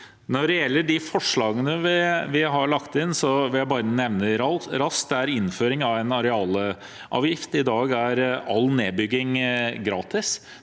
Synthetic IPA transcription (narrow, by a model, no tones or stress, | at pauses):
nɔɖɛjɛlːəɖɪfɔʂɭɑːɡənəʋɪʋɪɦɑɭɑkt̪ɪnsɔʋɪljæɪbɑːɾənɛʋnəɾɑɾɑskd̪ɛæɾɪnːføːɾɪŋɑʋɛnɑɾɛɑːlə | ʔɑ̰ːʋjɪft̪ɪd̪ɑːɡæɾɑlːneːbʏɡːɪŋɡɾɑːt̪ɪs